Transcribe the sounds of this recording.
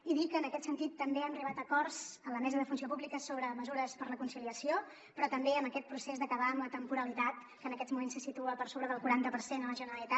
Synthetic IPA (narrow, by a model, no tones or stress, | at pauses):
iðikəːnəkɛt̪sənt̪it̪ːəmbeɛmriβat̪əkɔrzənləmɛzəðəfunsiop̬ublikəsoβ̞ɾəməzuɾəspəɾləkunsiliəsio | pɾɔt̪əmbeəməkɛt̪̚pɾusezðəkəβaəmlət̪əmpuɾəlit̪at̪ | kənəkɛzmumensːəsit̪uəpəɾsoβɾəðəlˠkuɾant̪əpəɾsenələʒənəɾəlit̪a